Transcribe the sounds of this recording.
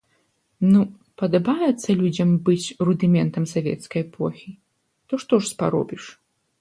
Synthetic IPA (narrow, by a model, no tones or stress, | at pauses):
nu | pɐd̪ɐbajɛt̪sːɐlʲud͡zʲɐmbɨt͡sʲrud̪ɨmʲɛnt̪ɐmsavʲɛ̰t̪skɐjɛpʰɔxʲi | t̪ɔʂt̪ɔʂspa̰ɾɔ̰bʲiʂ